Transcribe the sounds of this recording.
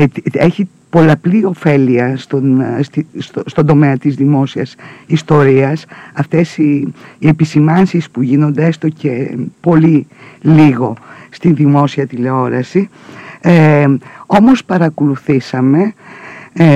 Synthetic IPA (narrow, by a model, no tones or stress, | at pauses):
e̞çi | po̞lɐplio̞fe̞liɐst̪onst̪isst̪o̞nd̪o̞meɐt̪izðimo̞siɐsist̪o̞ɾiɐsɐft̪e̞siːe̞pisimɐnsispuʝino̞nd̪eest̪oce̞po̞liliɣo̞st̪inðimo̞siɐt̪ile̞o̞ɾɐsi | o̞mo̞spɐɾɐkoluθisɐme̞